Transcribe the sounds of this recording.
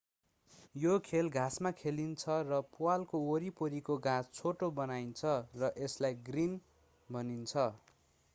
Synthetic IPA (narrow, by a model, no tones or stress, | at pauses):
jokʰelɡʱãsmakʰelint͡sʰʌrʌpualkooɾipoɾikoɡãst͡sʰoʈobʌnajnt͡sʰʌrʌʔeslajɡrin | bʱʌnint͡sʰʌ